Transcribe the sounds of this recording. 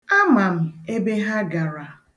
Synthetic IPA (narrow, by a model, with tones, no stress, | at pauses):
a˦ma˨m̩˨e˦be˦ɦa˦ɡa˨ɾa˨